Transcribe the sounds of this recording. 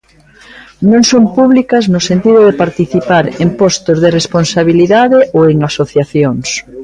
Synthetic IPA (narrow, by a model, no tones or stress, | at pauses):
nõŋsompuβlikaznʊsent̪iðoðepaɾt̪iθipaɾempɔst̪ozðeresponsaβ̞iliðaðeʔoeŋasoθjaθjoŋs